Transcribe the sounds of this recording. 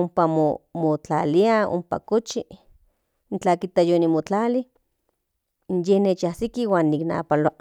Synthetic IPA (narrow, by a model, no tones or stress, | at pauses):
ompamo̰mot͡ɬa̰ːliao̰mpa̰kot͡ʃi | nt͡ɬaːkit̪ajonimot͡ɬaːli | njehneːt͡ʃahsikiwaːnːikna̰ːpaloaʔ